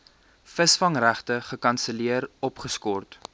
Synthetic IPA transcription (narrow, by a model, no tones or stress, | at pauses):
fəsfɐŋræχtəχəkɐnsəliərɔpχəskɔrt